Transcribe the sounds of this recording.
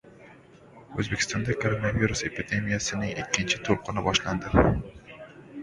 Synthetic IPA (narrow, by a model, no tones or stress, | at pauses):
ɵzbekʲɪ̥st̪ɒnd̪akʰoɾonaviɾuse̞pɪd̪e̞mijasɪnɪŋɪkʲʰːɪnt͡ʃʰɪt̪ʰolˠqʰɨnɪbɒʃland̪ɪ